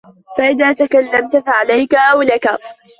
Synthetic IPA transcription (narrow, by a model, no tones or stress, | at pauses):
faʔɪðaːt̪akalːamt̪afaʕalajkaʔawlaka